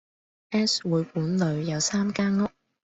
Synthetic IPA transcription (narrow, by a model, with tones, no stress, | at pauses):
ʔɛː˥swuː˨˧jkuː˨˥nlɵ˨˧ɥjɐ˨˧wsaː˥mkaː˥ŋʊ˥k̚